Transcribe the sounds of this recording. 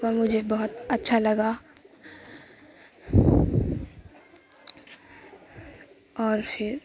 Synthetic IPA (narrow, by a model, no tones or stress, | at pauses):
kamʊd͡ʒʱebɐɦʊt̪ɐtːʃʰalɐɡa | ɔːɾpʰɪɾ